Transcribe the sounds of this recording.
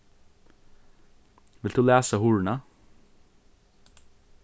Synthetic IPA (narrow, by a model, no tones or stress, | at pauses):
ʋɪlt̪ʉːlæːsəhʊɹɳɑ